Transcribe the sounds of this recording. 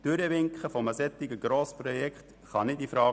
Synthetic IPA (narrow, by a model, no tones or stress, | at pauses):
d̥ʏɾəʋɪŋkχəfɔməsɛt̪ːɪɡəɡ̥ɾoːspɾɔjɛkχt̪ | χɑnɪdifɾɑː